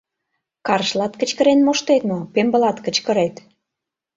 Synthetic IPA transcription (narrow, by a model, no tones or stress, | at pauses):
kɑɾəʃlɑt̪kə̆t͡ɕkə̆ɾenmoʃt̪et̪mopembə̆lɑt̪kə̆t͡ɕkə̆ɾet̪